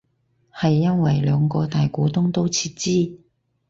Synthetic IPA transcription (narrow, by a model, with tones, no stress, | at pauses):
hɐ˨jːɐ˥nwɐ˨˩jlœː˨˧ŋkɔː˧t̪aː˨jkɔː˨˥t̪ʊ˥ŋt̪o˥wt͡sʰiː˧t̚t͡siː˥